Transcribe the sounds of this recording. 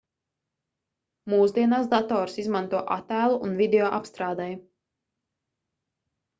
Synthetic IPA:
muːzd̪iɛnaːsd̪at̪ɔːɾsizmant̪uɔʔat̪æːlˠuʔunvʲid̪eɔʔapst̪ɾaːd̪ɛj

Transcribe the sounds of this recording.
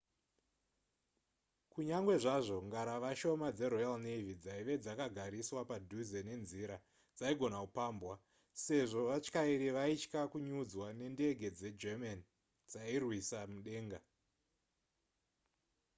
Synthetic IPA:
kuɲaŋɡwe̞ʐaʐo̞ŋɡaɾaʋaʃo̞mad͡ze̞ɾojalnevid͡zaiʋe̞d͡zakaɡʱaɾiswapadʱuze̞ne̞nziɾa | d͡zaiɡʱo̞nakupaːmbwa | se̞ʐo̞ʋat͡ʃkaiɾiʋait͡ʃkakuɲud͡zwane̞nde̞ɡʱe̞d͡ze̞d͡ʒeman | d͡zairwisamuɗe̞ːŋɡa

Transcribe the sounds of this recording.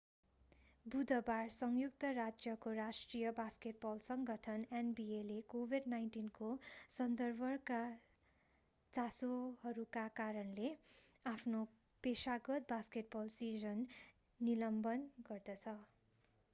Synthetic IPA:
bud̪ʌbarsʌŋjuk̚t̪ʌrad͡zjʌkorasʈrijʌbaskeʈ̚bʌlsʌŋɡʌʈʰʌnenbielekobʱiɖnajnʈinkosʌnd̪ʌrbʱʌrka | t͡sasohʌɾukakaɾʌnle | apʰno | pesaɡʌt̪̚baskeʈ̚bʌlsizʌnː | ilʌmbʌnɡʌrd̪ʌt͡sʰʌ

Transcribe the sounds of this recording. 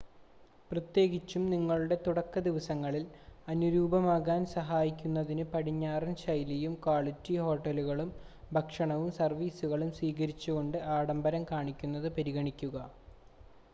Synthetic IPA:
prɐt̪je̞ːɡit͡ɕːumniŋːɐɭuɽe̞t̪uɽɐkːɐd̪iʋɐsɐŋːɐɭilɐnuɾuːbɐmaːɣaːnsɐɦaːjikʲːunːɐðinɨpɐɽiɲːaːrɐnɕɐjlijumkaːɭid͡ʑiho̞ːʈːɐluɣɐɭum | bʱɐkʂɐɳɐʋumsɐrʋiːsuɣɐɭumswiːɣɐɾit͡ɕːuɣo̞ɳɖɨʔaːɽɐmbɐɾɐmkaːɳikʲːunːɐðɨpɐɾiɣɐɳikʲːuɣɐ

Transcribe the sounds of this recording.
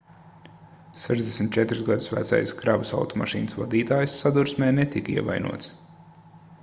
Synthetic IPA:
sɛʒzd̪ʲesmʲt̪̚t͡ʃɛt̪ɾuzɡad̪usvæ̰t̪sa̰jskɾabəsa̰wt̪ɔma̰ʃiːnəsva̰d̪iːt̪aːjsːad̪uɾsmɛːnɛt̪ikiɛva̰jnṵɔt̪s

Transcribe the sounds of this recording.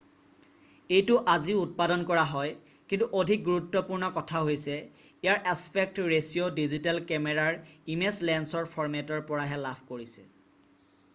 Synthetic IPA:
ejtʊʔaziut̚padɔnkɔɹaɦɔj | kintuʔodʱik̚ɡuɹutːɔpuɹnɔkɔtʰaɦojsɛijaɹʔaspʰɛk̚tɹesiodizitɛlkɛmɛɹaɹimeslɛnsɔɹpʰɔɹmɛtɔɹpɔɹaɦɛlabʰʱkoɹisɛ̥̰

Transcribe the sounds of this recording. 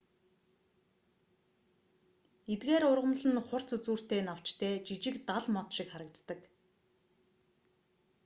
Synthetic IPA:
et̪ɡeːɾʊrʁə̆mɮə̆nχʊr̥t͡sut͡suːr̥t̪eːnaw̥t͡ɕt̪ʰeːt͡ɕit͡ɕɪ̆kt̪aɮmɔt̪ʃɪkχaɾə̆k̚t͡s̪t̪ə̆k

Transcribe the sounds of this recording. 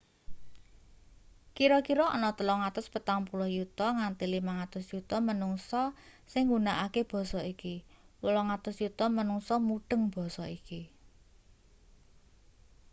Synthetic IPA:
kiɾɔkiɾɔʔːnɔt̪əlɔŋat̪ʊspət̪aŋpulɔhjut̪ɔŋant̪ilimaŋat̪ʊsjut̪ɔmənuŋsɔsɪŋɡunaʔakeb̥ɔ̤sɔikiwəlɔŋat̪ʊsjut̪ɔmənuŋsɔmuɖ̥ə̤ŋb̥ɔ̤sɔiki

